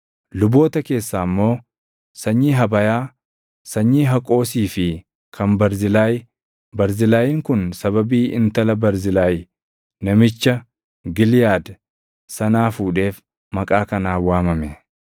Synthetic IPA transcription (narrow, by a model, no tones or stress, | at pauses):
lʊbo̞ːt̪ɐke̞ːsːaːmːo̞ː | sɐɲːiːɦɐbɐjaː | sɐɲːiːɦɐkʼo̞ːsiːfɪ | kʰɐmbɐɾzɪlaːj | bɐɾzɪlaːjiːŋkʊnsɐβɐbiːɪnt̪ɐlɐbɐɾzɪlaːj | nɐmɪt͡ʃːɐ | ɡɪlɪjaːd̪ | sɐnaːfuːᶑe̞ːf | mɐkʼaːkɐnaːwaːmɐmɛ